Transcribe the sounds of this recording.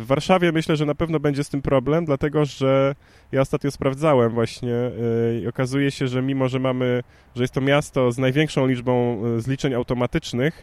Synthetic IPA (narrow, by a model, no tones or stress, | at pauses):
vːaɾʂavʲjɛmɘɕlɛʐɛnapɛvn̪ɔbɛɲd͡ʑɛst̪ɘmpɾɔblɛmd̪lat̪ɛɡɔʐɛ | jaɔst̪at̪ɲɔspɾavd̪zawɛmvwaɕɲɛiɔkazujɛɕɛʐɛmʲimɔʐɛmamɘ | ʐɛjɛst̪ːɔmʲjast̪ɔznajvʲjɛŋkʂɔ̃w̃lʲid͡ʐbɔ̃w̃zlʲit͡ʂɛɲawt̪ɔmat̪ɘt͡ʂnɘx